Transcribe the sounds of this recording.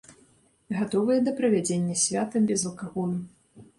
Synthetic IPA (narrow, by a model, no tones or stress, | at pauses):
ɣat̪ɔvɨjɐd̪ɐpɾɐvʲad͡zʲenʲːɐsʲvʲat̪ɐbʲɛzlˠkaɣɔlˠu